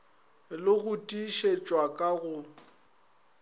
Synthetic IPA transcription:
lɪɣʊtʼiʃet͡ʃʼwakʼaɣʊ

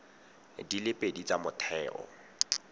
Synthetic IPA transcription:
dilɪpʼedit͡samʊtʰɛːʔɔ̰

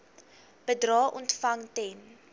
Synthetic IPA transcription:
b̥ədrɑːʔɔntfɐŋtɛn

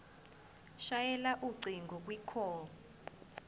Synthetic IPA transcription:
ʃajɛlaʔuǀiŋɡɔk̬wikʰɔː

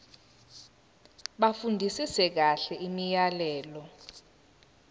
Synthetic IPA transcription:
ɓafundʱisisɛk̬aɬɛʔimijalɛːlɔ

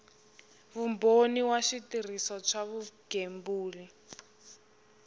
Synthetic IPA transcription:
βumboniwaʃitir̤isɔt͡ʃʰaβuɡ̥ʱembuːli

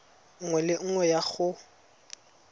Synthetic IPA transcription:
ŋ̩ŋwɛlɪŋ̩ŋwɛjaɣʊ

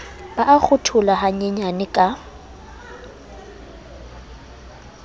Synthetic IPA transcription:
baʔak͡xʰʊtʰʊlaɦaɲeɲanɪkʼa

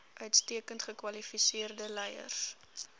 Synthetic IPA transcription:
ʔœɥtstiəkəntχəkwɐlifisiərdəlɛjə̰rs

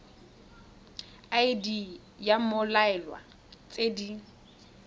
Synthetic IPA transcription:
ajɪdi | jamʊlaɛlwa̰ | t͡sʼedi

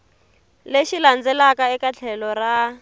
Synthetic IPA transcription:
leʃiland͡zɛlakaɛkat͡ɬʰɛlɔra

